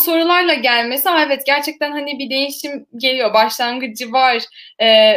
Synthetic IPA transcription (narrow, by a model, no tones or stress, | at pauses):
so̞ɾulˠaɾlˠaɟælʲme̞siaɛvɛt̪̚ɟæɾt͡ʃʰɛc̚t̪ʰænɦanibid̪e̞jiʃimɟe̞lʲijo̞baʃlˠanɡɯd͡ʒɯvaɾ̥ɛː